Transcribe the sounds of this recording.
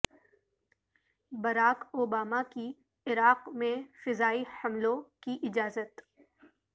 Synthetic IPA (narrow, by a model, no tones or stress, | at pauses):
bɐɾaːkoːbaːmaki | ɪɾaːqmẽfɪzaːihɐmlõkiʔɪd͡ʒaːzət̪